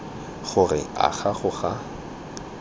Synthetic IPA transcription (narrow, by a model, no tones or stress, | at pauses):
χʊrɪa̰ɣaχʊχa